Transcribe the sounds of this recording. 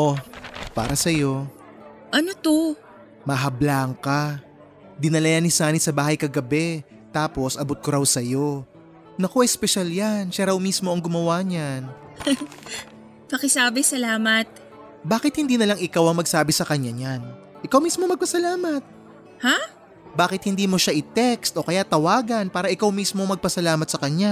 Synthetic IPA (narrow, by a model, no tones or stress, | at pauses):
ʔo̞pa̰ːɾɐsɐjo̞ | ʔɐnot̪o | mɐɦɐblaŋka | d̪ɪnɐlɐjanisaːnisɐbaːhɐjkɐɡɐbɛ | t̪aːpo̞sʔɐbot̪̚koɾɐwsɐjo̞ | nɐko̞ʔɐjspɛʃaljanʃaɾɐwmiːsmo̞ʔɐŋɡʊmɐwaɲan | pɐkɪsaːbɪsɐlaːmɐt̪̚ | baːkɪt̪̚hɪnd̪iːnɐlaŋɪkawʔɐŋmɐɡsaːbɪsɐkɐɲːaɲan | ʔɪkawmiːsmomɐɡ̚pɐsɐlaːmɐt̪̚ | ha | baːkɪt̪̚hɪnd̪iːmo̞ʃaʔɪt̪ɛkst̪ʔo̞kɐjat̪ɐwaːɡɐnpaːɾɐʔɪkawmismo̞mɐɡ̚pɐsɐlaːmɐt̪sɐkɐɲa